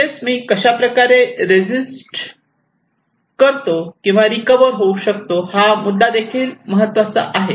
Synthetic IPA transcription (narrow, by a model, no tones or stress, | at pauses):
esmiːkəɕapɾəkaɾeɾed͡zisʈ | kəɾt̪okĩw̃ʋaɾikəʋəɾɦouɕək̚t̪ohamud̪ːad̪ekʰiːlməɦət̪ʋat͡sa̰ʔaɦe